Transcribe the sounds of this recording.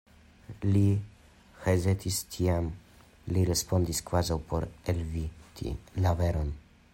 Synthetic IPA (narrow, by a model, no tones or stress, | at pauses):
li | hezet̪ʰistʰiam | liɾespo̞ndiskvazawpʰo̞ɾelvit̪ʰḭlaveɾon